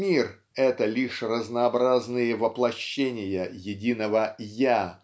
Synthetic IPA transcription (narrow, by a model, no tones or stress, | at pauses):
mʲir | ɛt̪əlʲiʂrəznəːbɾaznɨjəvəplˠɐɕːenʲɪjəjɪdʲinəvəja